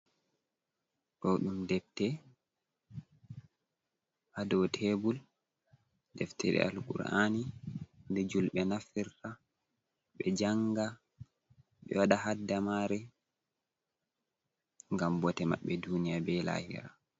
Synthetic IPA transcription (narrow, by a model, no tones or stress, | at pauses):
ɗɔɗumdɛb̚tɛ | hadɔwtʰebul | dɛftʰɛɗɛ̰ʔa̰lkṵɾanindɛd͡ʒulɓɛnafiɾta | ɓɛd͡ʒaŋɡa | ɓɛ̰waɗahadːamaɾɛ | ŋɡambɔtɛma̰ɓːɛdunijabɛla̰ːhḭɾa